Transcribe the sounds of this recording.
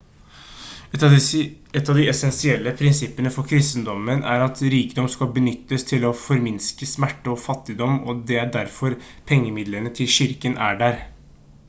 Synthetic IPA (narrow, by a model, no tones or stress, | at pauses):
ɛt̪ːɑʋd̪ɪɛsɛnsɪɛlːəpʰɾɪnsɪpːənəfɔɾkʰɾɪst̪nd̪ɔmənʔæ̰ɾɑt̪ɾiːkəd̪ɔmskɑbənʏt̪ːəst̪ʰɪlɔfɔɾmɪnskəsmæʈːəɔfɑt̪ːɪd̪ɔmɔd̪ɛæɖæɾfɔɾ | pʰɛŋːəmɪd̪lənət̪ʰɪlɕɪɾkənʔæɖæɾ